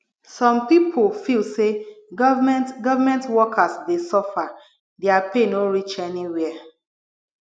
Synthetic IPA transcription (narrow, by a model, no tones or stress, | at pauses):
sɔ̃mpipʰolfilseɡɔvamɛ̃ntɡɔvamɛ̃ntwɔkʰasdesɔfa | dɛapenoɹit͡ʃɛniwɛa